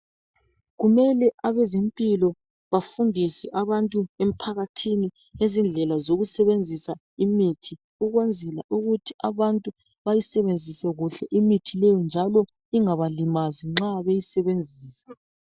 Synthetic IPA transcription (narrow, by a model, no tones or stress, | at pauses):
ɣumɛlɛaβɛzimpʼilɔ | βafundʱisɛʔaβantʼuem̩pʰaɣatʰini | ezind͡ɮʱɛlazoɣusɛβend͡zʱisa | imitʰi | uɣwɛnd͡zʱɛla̰ʔuɣutʰiʔaβantʼu | βajisɛβend͡zʱisɛɣuɬɛʔimitʰilɛjɔnd͡ʒʱalɔ | iŋaβalimaziŋ͡ǁaβejisɛβend͡zʱiːsɛ̥